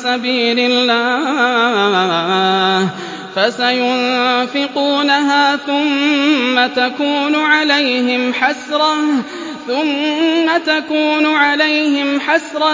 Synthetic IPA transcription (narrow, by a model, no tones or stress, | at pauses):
sabiːlɪlːaː | fasajʊnfɪquːnaɦaːθʊmːat̪akuːnʊʕalajhɪmħasɾˤɑ | θʊmːat̪akuːnʊʕalajhɪmħasɾˤɑ